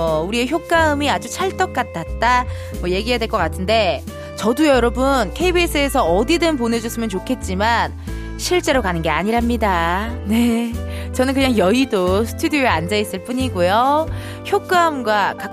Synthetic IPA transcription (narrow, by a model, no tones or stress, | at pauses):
ʌuɾieçjok̚k͈aɯmiad͡ʑut͡ɕʰaɭt͈ʌk͈̚atʰat̚t͈a | mwʌje̞ɡiɦjadwe̞ɭk͈ʌk͈atʰɯnde̞ | t͡ɕʌdujʌɾʌbɯnkʰeibis͈ɯes̬ʰʌːdidɯnponɦe̞d͡ʑusʰɯmjʌnt͡ɕokʰe̞t̚t͡ɕ͈iman | ɕʰiɭt͡ɕ͈e̞ɾokanɯnɡe̞aɲiɾɦamɲidane̞t͡ɕʌnɯnkɯɲaŋjʌidosʰɯ̥tʰudijoeand͡ʑais͈ɯɭp͈uɲiɡujo | çjok͈aɯmɡwaka